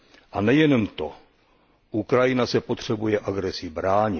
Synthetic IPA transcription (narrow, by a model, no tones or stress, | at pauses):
ʔanɛjɛnomt̪o | ʔukɾajɪnasɛpo̞t̪r̝̥ɛbujɛʔaɡɾɛsɪbɾaːɲɪ